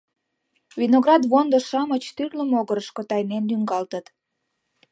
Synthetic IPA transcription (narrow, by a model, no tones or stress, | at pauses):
vinoɣrɑd̪βond̪əʃɑmət͡ɕt̪yrləmoɣəɾəʃkot̪ɑjnend̪yŋɡɑlt̪ət̪